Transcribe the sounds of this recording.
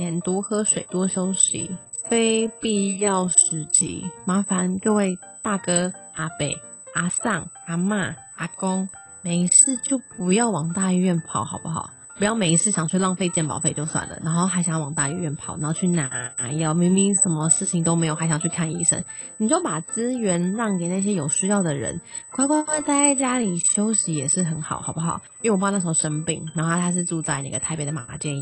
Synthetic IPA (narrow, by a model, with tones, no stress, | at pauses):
ɛ˨˩nt̪u˥xɤ˥ʂwe˨˩ɪt̪wɔ˥ʂo˥ʊɕḭ˨˥˦fe˥ɪpi˥˧jɑ˥˩ʊʂɻ̩˧˥t͡ɕʰḭ˧˥ma˧˥fa˧˦nkə˥˧we˥˧ɪ | t̪a˥˩kɤ˥ | a˧˥pe˨˩ɪ | a˥sɑ˥˩ŋ | a˧˥ma˥˩ | a˧˥kʊ˥ŋ | me˨˩i˧˦t͡sʰɹ̩˥˧t͡ɕjo˥˩ʊpu˧˥jɑ˥˩ʊwɑ˨˩ŋt̪a˥˧i˥˧ɥɛ˥˧npʰɑ˨˩˦ʊxɑ˨ʊpu˦xɑ̰˨˩˦ʊ | pu˧˥jɑ˥˩ʊme˨˩ɪi˧˥sʰɹ̩˥˩ɕjɑ˨˩ŋt͡ɕʰy˥˧lwɑ˥˧ŋfe˥˧t͡ɕjɛ˥˩npɑ̰˨˩ʊfe˥˧ɪt͡ɕjo˥˧ʊswa̰˨˩nlə̰˩na˧˥ŋxo˥˩xa˧˥ɪɕɑ˨˩jɑ˥˩wɑ˨˩ŋt̪a˥˧y˥˧ɥɛ˥˩npʰɑ̰˨˩ʊna˧˦xo˥˧t͡ɕʰy˥˩na˧˥˧jɑ˥˩ʊmi˧˥ŋmi˧˥ŋʂə˧˥nmə˧˦ʂɻ̩˥˩t͡ɕʰi˧˥ŋt̪o˥ʊme˧˥ɪjo˨˩a˧˥ɪɕjɑ˨˩ŋt͡ɕʰy˥˧kʰa˥˧nḭ˥˩ʂə̰˥nni˨˩t͡ɕo˥pa˨˩t͡sɹ̩˥ɥɛ˧˥nɻɑ˥˩ŋke˨˩ɪna˥˩ɕ̬jɛ˥jo˨˩ʊɕy˥jɑ˥˩ʊd̪ə˩ɻə̰˧˦nkʰɑ˥ʊkɔ˥t͡sa˥˧ɪt͡ɕja˥li˨˩ɕjo˥ʊɕi˧˥jɛ˨˩ʂɻ̩˥˩xə˧˥nxɑ̰˨˩˦ʊxɑ˨˩ʊpu˥xɑ̰˨˦ʊ˥˩wpn˥˩sə˧˩˧ʂə˧˥m˧pḭ˨˩ŋna˧˥o˥a˥˧a˥ʂ̬o˥˧ʈ͡ʂu˥˧t͡sa˥˧ɪna̰˧˩ɡə˨t̪ʰa˥ɪpjɛ˧˥d̪ə˧ma˨˩ma˧˩t͡ɕjɛ˥˧ni˩